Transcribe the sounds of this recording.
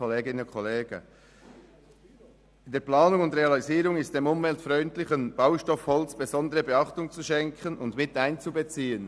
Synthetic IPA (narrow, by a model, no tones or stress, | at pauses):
oleːɡɪnʊnkʰɔleːɡ̥ə | ɪnd̥eːɐplɑːnʊŋʊntʁeɑliziːɾʊŋɪst̚d̥emʊmvɛltfʁœʏntlɪçənb̥aʊʃtɔfhɔlt͡sb̥ezɔndəʁəbeɑχtʊŋt͡suʃɛŋkʰənʊndmɪtaɪnt͡subət͡siːən